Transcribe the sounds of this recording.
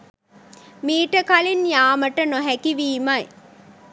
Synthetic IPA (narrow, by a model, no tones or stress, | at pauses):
miːʈəkalinjaːməʈənoɦɛkiʋiːmɐj